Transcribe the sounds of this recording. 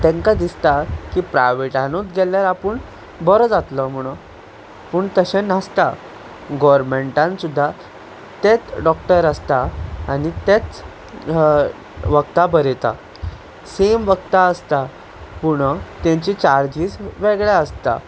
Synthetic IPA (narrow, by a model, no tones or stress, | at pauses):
t̪ẽŋkad̪ist̪akiːpɾajʋeʈanut͡s̪ɡʱɛljaɾapəɳ | bəɾɔd͡zat̪ləm̤uɽ̃ | puɳt̪əɕenast̪a | ɡɔɾmeɳʈãnsud̪ʱːa | t̪et͡sɖɔkʈəɾəst̪aːnit̪et͡s | ʋəkt̪abəɾet̪a̰ | semʋəkt̪aəst̪a | puɽət̪ẽɲt͡ɕit͡ɕaɾd͡ʑiːd͡zʋeɡɭeəst̪a̰